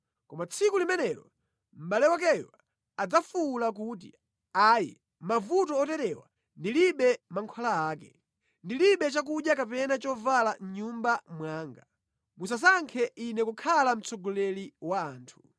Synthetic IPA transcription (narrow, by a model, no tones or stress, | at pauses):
kɔmat͡sʰikulimɛnɛlɔ̰ | m̩ɓalɛwak̬ɛjwa | ad͡zafulak̬ut̬ḭ | aːjḭ | mavutɔːtɛtɛwa̰ | ndiliɓɛmaŋkʰwalaaːkɛ̰ | ndiliɓɛt͡ʃak̬uɗjakapɛnat͡ʃɔvalan̩ɲumbamwaːŋɡa | mus̬as̬aŋkʰɛʔinɛkukʰalam̩t͡sʰɔɡɔlɛliwaːntʰu̥